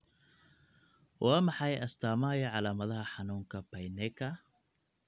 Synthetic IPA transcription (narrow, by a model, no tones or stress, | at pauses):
wʔɑːmɑħɑjʔɐst̪ʰaːmɐjɐʕɑlaːmɐðɐɦɐħɑnuːŋkʰɐpɐjnɛkʰɐ